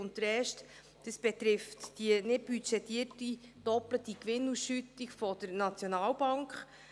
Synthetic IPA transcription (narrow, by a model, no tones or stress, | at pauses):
ʊnt̚d̥əɾɛːʃt | d̥əsb̥ɛt̪ɾɪftd̥inɪt̚b̥yt͡ʃɛtiərtid̥ɔplətikʋɪnːusʃytikfɔd̥̪əɾnɑt͡sjɔnɑːlbɑŋkχ